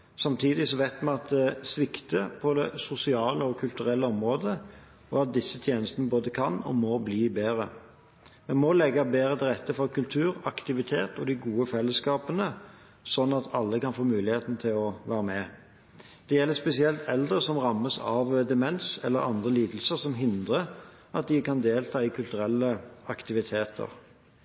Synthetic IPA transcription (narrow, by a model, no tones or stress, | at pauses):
sɑmt̪ʰiːd̪ɪsɔʋæɪt̪mɛɑt̪̚d̪ɛsʋɪkt̪əpʰɔd̪ɛsʊsɪɑːləɔkʰʉlt̪ʉɾɛlːəɔmʁoːd̪ə | ɔɑt̪̚d̪ɪsːət̪ʰjeːnəst̪ənəboːd̪əkʰɑnɔ̰mɔbliːbeːɾə | mɛnmɔlɛɡːɑbeːɾət̪ʰɪlʁɛt̪ːəfɔkʰʉlt̪ʰʉːɾɑkt̪ɪʋɪt̪ʰeːt̪ɔd̪ɪɡuːəfɛlːəskɑːpənə | sɔnːɑt̪ʰɑlːəkɑnfoːmʉːlɪheːt̪n̩t̪ʰɪlɔʋæːɾəmɛ | d̪̥ɛjɛlːəspɛsɪɛlt̪ʰɛld̪ʁəsɔmʁɑmːəsɑ̰ʋd̪ɛmɛnsɛ̰lːəɾɑ̰nd̪ʁəliːd̪əl̩səsɔmɦɪnd̪ʁə | ʔɑt̪̚d̪ɪkɑnd̪eːlt̪ʰɑːɪkʰʉlt̪ʉɾɛlːəɑkt̪ɪʋɪt̪ʰeːt̪ʰə̰ʁ